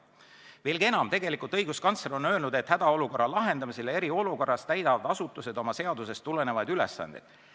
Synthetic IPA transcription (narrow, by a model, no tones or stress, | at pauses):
ve̞ːlɡ̥ienɑmt̪e̞ɡe̞likult̪ˑɤjɡuskɑnt̪seɾo̞nø̞ːlnud̪̥e̞t̪hæd̪̥ɑo̞luko̞rːɑlɑɦe̞nd̪ɑmisele̞ɾio̞luko̞rːɑst̪æjd̪ɑvɑd̪ɑsut̪ːˑuse̞d̪̥o̞mɑse̞ɑd̪̥use̞st̪ːulene̞vɑjd̪ylesːɑ̰nd̪̥ḛd̪̥